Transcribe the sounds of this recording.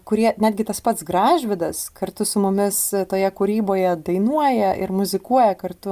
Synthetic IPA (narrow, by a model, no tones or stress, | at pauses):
kʊɾʲiɛnʲæːd̪ʲɡʲɪt̪ɐspɐt̪sɡɾɑːʒʲʋʲɪd̪ɐskɐrt̪ʊsʊmʊmʲɪst̪oːjɛkʊɾʲiːboːjɛd̪ɐɪnuɔjɛʔɪ̰ɾmʊzʲɪkuɔjɛkɐrt̪ʊ